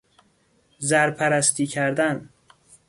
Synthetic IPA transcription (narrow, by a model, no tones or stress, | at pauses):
zæɾpʰæɾæst̪ʰiːcʰæɾd̪æn